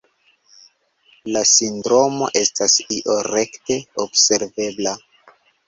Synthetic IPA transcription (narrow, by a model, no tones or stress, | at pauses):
lasindɾo̞mo̞̰ʔe̞stasiʔo̞ɾe̞kte̞obse̞ɾve̞bla